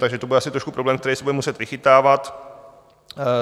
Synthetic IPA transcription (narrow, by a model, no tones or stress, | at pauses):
t̪aɡʒɛt̪obudɛasɪt̪ɾoʃku̥pɾoblɛːmk̚t̪ɛɾɛjsɛbudɛmusɛt̪vɪxɪt̪aːvat̪